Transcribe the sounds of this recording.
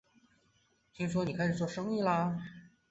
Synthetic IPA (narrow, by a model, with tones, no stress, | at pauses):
t̪ʰi˥ŋʂ̬wɔ˥ni˨˩kʰa˥ɪʂɻ̩˨˩t͡swɔ˥˩ʂɤ˥ŋi˥˩lɐ˧